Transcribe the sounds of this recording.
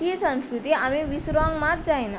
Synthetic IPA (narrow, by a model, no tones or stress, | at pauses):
isə̃nskɾut̪iamiʋisɾɔŋɡmat̪̚d͡zajna